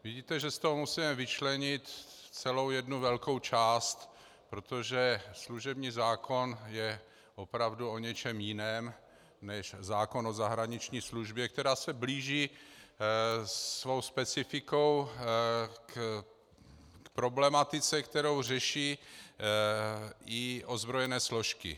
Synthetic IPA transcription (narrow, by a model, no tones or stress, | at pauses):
vɪɟiːt̪ɛʒɛst̪oɦomusimɛvɪt͡ʃlɛɲɪt̪t͡sɛlo̞wjɛdnuvɛlko̞wt͡ʃaːst̪ | pɾo̞t̪oʒɛsluʒɛbɲiːzaːkʰo̞njɛ | ʔopɾavduo̞ɲɛt͡ʃɛmjɪnɛːm | nɛʃzaːko̞nozaɦɾaɲɪt͡ʃɲiːsluʒbjɛkt̪ɛɾaːsɛbliːʒiː | svo̞wspɛt͡sɪfɪko̞w | k | kpɾo̞blɛmat̪ɪt͡sɛkt̪ɛɾowrɛʃiː | ʔɪʔozbɾojɛnɛːslo̞ʃkɪ̰